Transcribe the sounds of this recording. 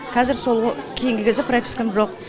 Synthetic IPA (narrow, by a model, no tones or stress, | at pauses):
qʰɑzɪɾso̞lˠkʲʰe̞jɪŋɡʲɪkʲʰɪzɪpɾopʲi̥skʲɪmʒo̞q